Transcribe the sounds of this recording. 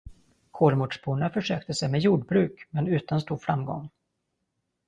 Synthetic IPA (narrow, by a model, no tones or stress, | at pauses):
kʰoːlmʊʈʂbuːɳafœʂøːk̚t̪əsɛjmɛjuːɖbɾʉ̟ːkmɛnʉ̟ːt̪anst̪uːɾfɾa̰mɡɔ̰ŋ